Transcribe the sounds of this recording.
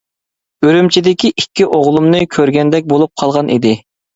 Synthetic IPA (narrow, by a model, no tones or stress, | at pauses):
øɾymt͡ʃʰid̪ɪkʲiʔikʲːiʔoʁlˠumnɨkʲʰøɾɡʲɛnd̪ɛk̚ʲbolˠup̚qʰɑlˠʁɑnʔḭd̪ɪ